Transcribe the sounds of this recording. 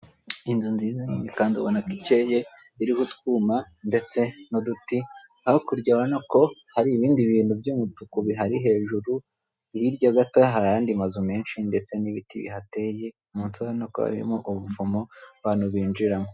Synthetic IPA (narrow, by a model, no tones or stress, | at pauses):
indunziːzaɲiɲikaːndiβonakiceːje | iɾihutkuːma | nde̞t͡se̞noduti | haokuɾɟawanoko̞haɾiːβiːndiβiːnhubjumutukuβiɦaɾiɦe̞ːʒuɾu | ijiɾɟaɡatoɦaɾajaːndimazume̞ːnʃinde̞t͡se̞niβitḭβḭɦate̞je | munsaanoko̰βa̰βḭɾḭmoʔuβuvumoβaːnuβiːnd͡ʒiɾamo